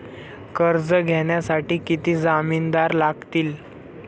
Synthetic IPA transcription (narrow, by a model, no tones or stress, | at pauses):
kəɾd͡zəɡʱɛɳjasaʈiːkit̪iːd͡zamiːnd̪aɾlaɡt̪iːl